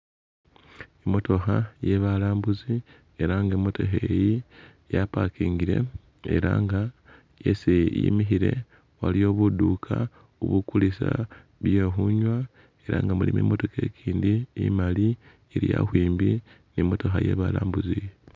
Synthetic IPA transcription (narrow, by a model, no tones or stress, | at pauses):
emo̞to̞xaje̞βalaːmbuzi | e̞ɾaŋɡemːo̞to̞ɦeji | japakiːŋɡiɾe̞̰ | e̞̰ɾaːŋɡa | jesejḭmiɦiɾe̞ | walijo̞ːβudukʰa | uβukulisa | βjeɦuɲwa | e̞ɾaŋɡamulimḛːmo̞to̞ke̞ːkʰiːndiːmali | eɾija̰hwiːmbi | niemo̞to̞xa̰je̞̰βalaːmbuzi